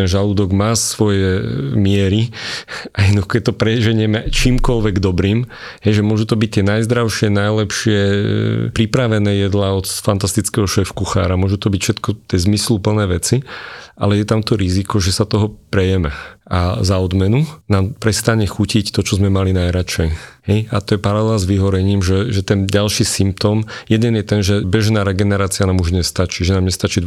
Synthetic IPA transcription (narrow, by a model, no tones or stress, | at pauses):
ɛnʒalud̪ɔɡmaːsʋɔjɛmɪɛɾi | ajɛnuxkɛt̪ɔpɾɛʒɛɲɪɛmɛt͡ʃiːmkɔlʋɛɡd̪ɔbɾiːm | ɦɛjʒɛmʊɔʒut̪ɔbic̚t̪ɪɛnajzd̪ɾaʊʃɪɛnajlɛpʃɪɛpɾipɾaʋɛnɛːjɛd̪laɔt̪fant̪ast̪it͡skɛɦɔʃɛfkuxa̰ːɾamʊɔʒut̪ɔbicfʃɛt̪kɔt̪ɛzmislupl̩nɛːʋɛt͡siʔa̰lɛjɛt̪amt̪ɔɾizikɔʒɛsat̪ɔɦɔpɾɛjɛmɛazaɔd̪mɛnunaːmpɾɛst̪aɲɛxucict̪ɔt͡ʃɔzmɛmalinajɾat͡ʃɛjhɛjat̪ɔjɛpaɾalɛlzʋiɦɔɾɛɲiːmʒɛʒɛt̪ɛnɟalʃiːsimp̚t̪ɔmjɛd̪ɛnjɛt̪ɛnʒɛbɛʒnaːɾɛɡɛnɛɾaːt͡sianaːmuʒɲɛst̪at͡ʃiʒɛnaːmɲɛst̪at͡ʃid̪